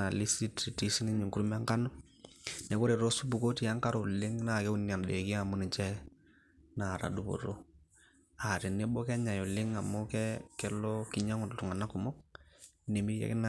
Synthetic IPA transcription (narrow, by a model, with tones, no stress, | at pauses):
a˨li˦si˦ti˨ti˦si˦ni˦ɲi˨ŋkuɾu˦m˦a˦ŋka˦nɔ˦ | nɛ˨˦kɔ˦ɾe˨ɾo˦su˦bu˨ko˦ti˨a˦ŋka˦ɾo˨lɪ˦ŋna˨kɛ˦u˦ni˨a˨n˨de˨ki˦a˨mu˦ni˨t͡ʃɛ˦ | na˨ɾa̰˨du˨bo̰˨ɾo˦ | a˨ɾi˨ne˦bo˦kɛ˦ɲa˨jɔ˨lɪ˦ŋa˨mɔ˦kɛ˦kɛ˦lɔ˦ki˦ɲa˦ŋɔ˨ttu˨ŋa˨na˦ku˨mɔ˦k̚ | ne˨mi˦ɾja̰˦kɪ˦na˨